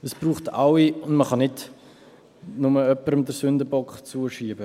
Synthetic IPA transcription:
əsb̥ruːχtawiʊndməχɑnɪt | nʊməœpːəɾəmdəɾsʏndəbɔkχt͡suəʃiːbə

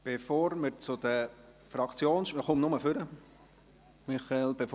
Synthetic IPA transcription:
b̥efoːɾməɾt͡sʊd̪ə | fɾɑkt͡sjoːnʃəχʊmnʊməfʏɾə | mɪχɑɛlb̥ef

